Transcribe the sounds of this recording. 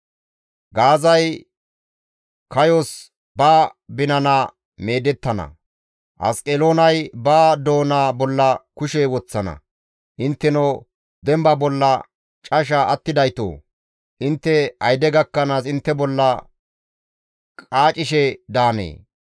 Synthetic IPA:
ɡaːzɐj | kɐjos | baːbɪnɐna | me̞ːd̪ɛt̪ːɐnɐ̰ | ʔɐ̰skʼelo̞ːnɐjbaːd̪o̞ːnaːbɔlːɐkʊʃɛwɔt͡sːɐnɐ̰ | ʔɪnt̪ːɛno | d̪ɛmbɐbɔlːɐ | t͡ʃʼɐʃ̬aɐt̪ːɪd̪ɐjt̪o̰ː | ʔɪnt̪ːɛɐjd̪ɛɡɐkːɐnaːsɪnt̪ːɛbɔlːɐ | kʼaːt͡ʃʼɪʃɛd̪aːnḛː

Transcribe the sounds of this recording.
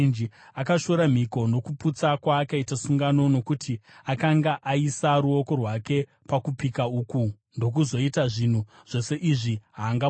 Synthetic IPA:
nd͡ʒiakaʃo̞ɾam̤iko̞no̞kuput͡sakwaːkaitasuŋɡano̞no̞kutiakaŋɡaʔaisaɾuo̞ko̞rwake̞ | pakupikauːku | ndo̞k̬uzo̞itaʐin̤u | ʐ̥o̞se̞ʔiʐiɦaːŋɡa

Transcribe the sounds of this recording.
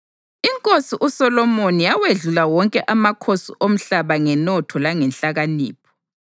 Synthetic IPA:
iŋkʼosiʔusɔlɔmonijaweɮulawɔŋkʼɛʔamakʰosiʔom̩ɬaβaŋɛnɔtʰɔlaŋɛnɬaɣaniːpʰɔ̥

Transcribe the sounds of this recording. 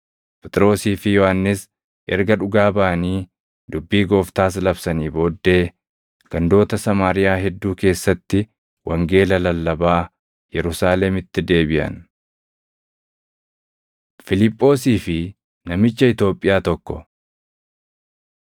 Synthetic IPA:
pɛt̪ʼɪɾo̞ːsiːfɪjɔhanːɪs | ʔɛ̰ɾɡɐᶑʊɡaːbaːniː | d̪ʊbːiːɡo̞ːft̪aːs̬lɐbsɐniːbo̞ːd̪ːe̞ː | ɡ̥ɐnd̪o̞ːt̪ɐsɐmaːɾɪjaːɦɛd̪ːuːke̞ːsːɐt̪ːɪ | wʔɐŋɡe̞ːlɐlɐlːɐbaː | jɛɾʊsaːlɛmɪt̪ːɪd̪e̞ːbɪʔɐ̰n | fɪlɪpʼːo̞ːsiːfɪ | nɐmɪt͡ʃːɐɪt̪o̞ːpʼːɪjaːt̪ɔkːɔ

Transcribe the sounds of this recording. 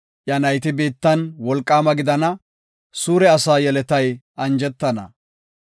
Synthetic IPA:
ʔjɐnɐjt̪ɪbeːt̪ːɐnwɔlkʼːaːmɐɡɪd̪ɐnɐ | suːɾɛɐsaːjɛlɛt̪ɐjʔɐnd͡ʒɛt̪ːɐnɐ̰

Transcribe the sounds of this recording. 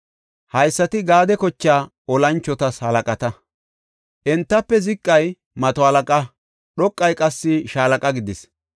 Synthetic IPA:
hɐjsːɐt̪ɪɡaːd̪ɛkɔt͡ʃːaː | ɔlɐnt͡ʃːɔt̪ɐshɐlɐkʼɐt̪ɐ | ʔɛnt̪ːɐpːɛzɪkʼːɐj | mɐt̪ɔhɐlɐkʼɐ | ɗɔkʼːɐjkʼɐsːɪʃaːlɐkʼɐɡɪd̪ɪs

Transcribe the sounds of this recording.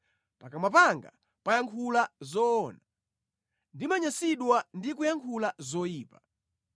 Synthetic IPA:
pakamapaŋɡa̰ | pajaŋkʰulazɔːna | ndimaɲasiɗwandikujaŋkʰulazɔjiːpa

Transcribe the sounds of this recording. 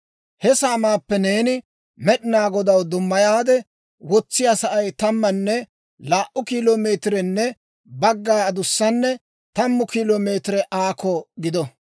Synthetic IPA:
hɛsaːmaːpːɛne̞ːnɪ | mɛɗɪnaːɡɔd̪ɐwd̪ʊmːɐjaːd̪ɛ | wɔt͡sːɪjasɐʔɐjt̪ɐmːɐnːɛ | laːʔʔʊkiːloːme̞ːt̪ɪɾɛnːɛ | bɐɡːaːɐd̪ʊsːɐnːɛ | t̪ɐmːʊkiːloːme̞ːt̪ɪɾɛʔaːkɔɡɪd̪ɔ

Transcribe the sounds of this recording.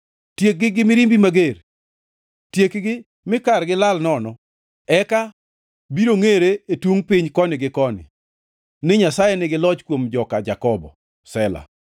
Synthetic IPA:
tjek̚ɡɪɡɪmɪɾimbimaɡer | tjekɡɪ | mɪkarɡɪlalnɔnɔ | ɛka | biɾoŋeɾeetwuŋpɪɲkɔnɪɡɪkɔnɪ̰ | nɪɲasajenɪɡɪlɔt͡ʃkwomd͡ʒɔkad͡ʒakɔbɔ̰ | sɛla̰

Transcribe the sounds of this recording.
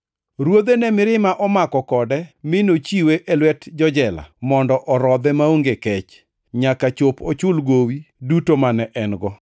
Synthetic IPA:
ɾwod̪enɛmɪɾɪmaʔɔmakɔkɔdɛmɪnot͡ʃiweʔɛlwɛtd͡ʒɔd͡ʒɛla̰mɔndɔʔɔɾɔd̪ɛmaoŋɡekɛt͡ʃ | ɲakat͡ʃopot͡ʃʊlɡowidutomanɛʔɛnɡɔ

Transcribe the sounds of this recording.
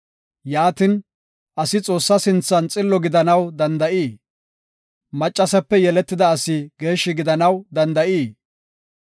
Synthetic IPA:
jaːt̪ɪn | ʔɐsɪt͡sʼo̞ːsːɐsɪnt͡sːɐnt͡sʼɪlːɔɡɪd̪ɐnɐwd̪ɐnd̪ɐʔiː | mɐt͡ʃʼːɐsɛpːɛjɛlɛt̪ːɪd̪ɐːsɪɡe̞ːʃːɪɡɪd̪ɐnɐwd̪ɐnd̪ɐʔiː

